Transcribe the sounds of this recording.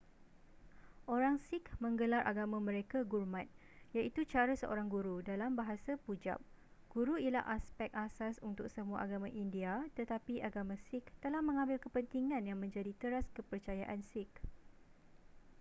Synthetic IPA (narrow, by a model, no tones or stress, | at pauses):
ʔoɾaŋsɪkmə̃ŋɡəlaɾʔa̰ɡamãmə̃ɾekaɡurmãt̪̚ | jaʔit̪ut͡ʃaɾasəʔo̰ɾaŋɡuɾudalambaɦasapud͡ʒa̰p̚ | ɡ̥uɾuila̰hʔaspɛk̚asasunt̪ʊk̚səmũa̰ʔaɡamãʔindiat̪ət̪apiʔaɡamãsɪk̚t̪əlahmə̃ŋãmbɪlkəpənt̪iŋãnjaŋmə̃ɲd͡ʒadit̪əɾaskəpərt͡ʃajaʔansɪk